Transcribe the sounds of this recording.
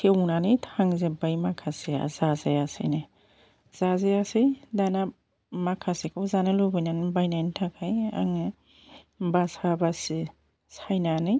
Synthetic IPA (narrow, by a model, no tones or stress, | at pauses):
tʰewnanɯjtʰaŋzebajmakʰasea̰zazajasɯ̰jnɯ | z̥azejasɯjdana | makʰasekʰawzanɯlobɯjnanbajnajntʰakʰaja̰ŋɯ | basabasi | sajnanɯj